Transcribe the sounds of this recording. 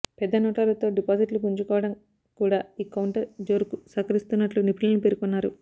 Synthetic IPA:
pɛd̪ːɐnɔːʈɐlɐt̪o̞ːɖipaːsiʈlupuɲt͡ʃukɔːʋɐɽɐm | kuːɽaːiːkɐwɳʈɐɾd͡ʒo̞ːɾukusɐkɐɾist̪unːɐʈlunipʰilɐnupeɾukunːaːɾu

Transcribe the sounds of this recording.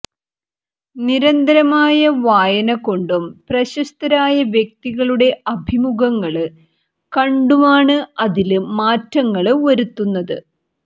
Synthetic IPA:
niɾɐnd̪ɐɾɐmaːjɐʋaːjɐnɐko̞ɳɖumprɐɕɐst̪ɐɾaːjɐʋjek̚t̪iɣɐɭuɽe̞ʔɐbʱimuɣɐŋːɐɭɨ | kɐɳɖumaːɳɨɐðilmaːtːɐŋːɐɭʋɐɾut̪ːunːɐðɨ

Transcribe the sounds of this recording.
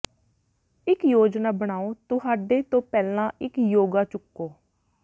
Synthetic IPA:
ɪkjoːd͡ʒnaːbəɽ̃aːoːt̪ʊɦaːɖeːt̪õːpɛːlãːʔɪkjoːɡaːt͡ʃʊkːoː

